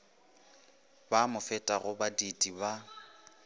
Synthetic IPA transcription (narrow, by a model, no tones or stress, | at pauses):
bamʊfɛtʼaɣʊbadidiba